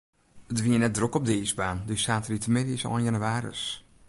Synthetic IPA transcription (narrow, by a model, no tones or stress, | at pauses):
ətʋiənɛt̚drokɔb̚dəɪsbaːndøsaːtəritəmɪdəɪsɔ̰lˠɪnjanyaːrə̰s